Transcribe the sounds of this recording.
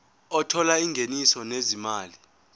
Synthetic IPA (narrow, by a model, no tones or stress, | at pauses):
ɔtʰɔlaiŋʱenisɔnezimaːli